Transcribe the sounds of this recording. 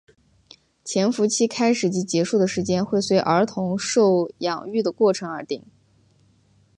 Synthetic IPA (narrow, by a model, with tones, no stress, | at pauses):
t͡ɕʰjɛ˧˥nfu˧˥t͡ɕʰi˥kʰa˥ɪʂɻ̩˨˩t͡ɕi˧˥t͡ɕjɛ˧˥ʂu˥˩d̪ə˩ʂɻ̩˧˥t͡ɕjɛ˥nxwe˥˩ɪswe˧˥ɪʔə˞˧˥t̪ʰʊ˧˥ŋʂo˥˩ʊjɑ̰˨˩ŋy˥˩d̪ə˩kwɔ˥˩ʈ͡ʂʰɤ˧˥ŋə˞˧˥t̪i˨˩˦ŋ